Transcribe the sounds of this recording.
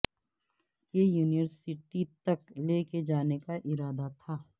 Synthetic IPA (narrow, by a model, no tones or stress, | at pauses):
kejuːnijəɾsɪʈit̪ɐkleːked͡ʒaːnekaʔɪɾaːd̪at̪ʰaː